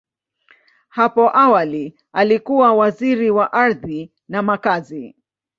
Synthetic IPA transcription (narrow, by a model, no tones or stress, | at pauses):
hapɔʔawali | alikuwawaziɾiwaʔaɾði | namakazi